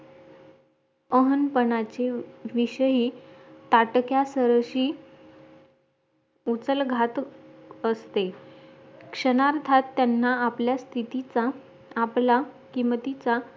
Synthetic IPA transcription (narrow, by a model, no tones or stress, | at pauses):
əɦənpəɳat͡ɕeʋiɕəɦiːt̪aʈkjasəɾəɕiː | ut͡səlɡʱat̪əst̪e | kʂəɽ̃aɾt̪ʰat̪ːjanːaapljast̪ʰit̪it͡saː | pla | kimət̪it͡sa